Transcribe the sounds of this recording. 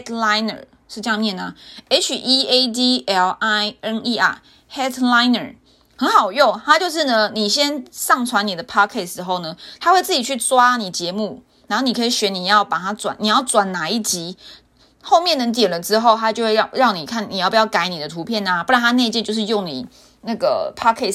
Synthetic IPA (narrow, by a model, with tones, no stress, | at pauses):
dla˦ɪnə̰˨˩ | ʂɻ̩˥˧ʈ͡ʂə˥jɑ˥˧ŋmjɛ˥˩na˩e˥ɪt͡ʃʰy˨ʔi˥e˥d̪i˥ɛ˧la˥ɪə˥ni˥a˨˩ | hɛ˦˥dla˦ɪnə̰˨˩ | hə˧˥nxɑ˨˩ʊjo˥˩ŋt̪ʰa˥t͡ɕjo˥˧ʊʂ̬ɻ̩˥˩nə˨˩ni˨˩ɕjɛ˦˥nsɑ˥˨ŋt͡sʰwa˧˦ni˨˩d̪ə˦pʰɑ˥kʰɛ˥˩sɻ̩˦xo˥˩ʊnə˩t̪ʰa˥xwe˥˧ɪt͡sɹ̩˥˩t͡ɕi˨˩t͡ɕʰy˥˩t͡swa˥ni˨˩t͡ɕjɛ˨˧˦mu˥˩ | na˧˥no˥˩ni˨˩kʰɤ˧˥i˨˩ɕɥɛ˧˥ni˨˩jɑ˥˩ʊpa˨˩t̪ʰa˥t͡swa˨˩˦ni˨˩jɑ˥˩ʊt͡swa˨˩nna˨˩˦i˥˩t͡ɕi˧˥ | xo˥˧ʊmjɛ˥˩nə˧t̪jɛ˨˩nlə˦ʈ͡ʂɻ̩˥xo˥˩ʊt̪ʰa˦˥jo˥˧xwe˥˧˥ɻɑ˥˩ŋni˨˩kʰa˥˩ni˨˩jpu˩jɑ˥˩ʊka˧˥ɪni˨˩d̪ə˩˦t̪ʰu˧˥pʰjɛ˥˩na˦pu˥˧˩ɻa˧˥nʰa˥ne˥˧ɪt͡ɕjjo˥˧ʊʂɻ̩˥˧jo˥˩ŋnḭ˨˩ | na˥˩ɡə̰˩pʰa˥kʰɛ˥˩s